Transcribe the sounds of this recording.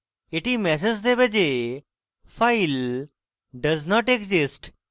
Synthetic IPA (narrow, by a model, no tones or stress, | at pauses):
eʈimɛs̬ed͡ʑd̪ebed͡ʑe | fail | ɖəznɔʈekzisʈ